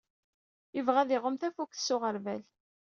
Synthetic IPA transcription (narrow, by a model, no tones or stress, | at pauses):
ɪvʁæðɪʁəmθæfukθsːʊʁəɾvæl